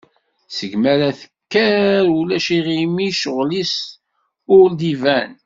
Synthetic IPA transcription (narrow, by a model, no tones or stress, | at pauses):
səʝmæɾæθəkːæɾulæʃiʁimiʃʊʁlis | ʊld̪ivæn